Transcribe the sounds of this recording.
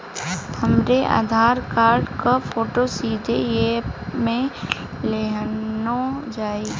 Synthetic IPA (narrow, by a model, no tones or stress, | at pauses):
t̪ʰəmɾeʔa̰ːd̪ʱaːɾkaːɾɖkapʰoːʈosiːd̪ʱejemẽ | leɦnod͡ʒaːiː